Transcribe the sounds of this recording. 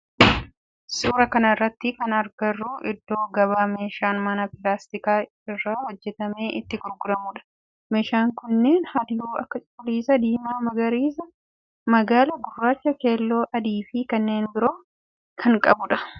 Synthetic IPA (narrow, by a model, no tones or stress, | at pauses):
suːɾɐkɐnɐrːɐt̪ːɪkɐnɐɾɡɐrːuːʔɪd̪ːo̞ːɡɐβaːme̞ːʃaːnmɐnɐpɪlaːst̪ɪkaː | ɪrːaːhɔd͡ʒːɛt̪ɐmeːʔɪ̰t̪ːɪɡʊɾɡʊd̪ɐmʊᶑɐ̥ | me̞ːʃaːŋkʊnːe̞ːnhɐd̪ɪjuːʔɐ̰kːɐt͡ʃʼʊliːsɐd̪iːmaːmɐɡɐɾiːsɐ | mɐɡaːlɐɡʊrːaːt͡ʃːɐke̞ːlːo̞ːʔɐd̪iːfɪkɐnːe̞ːnbɪɾo̞ː | kʰɐŋkʼɐ̰bʊᶑɐ